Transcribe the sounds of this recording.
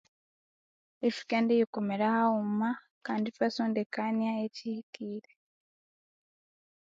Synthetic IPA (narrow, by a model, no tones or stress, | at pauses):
efi̥kandejikomeɾahauma | kaːnditwasondekanaecihikiːɾe